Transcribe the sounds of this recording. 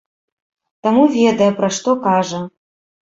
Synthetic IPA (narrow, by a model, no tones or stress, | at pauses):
t̪amuvʲed̪ɐjɛpɾɐʂt̪ɔkaʐɐ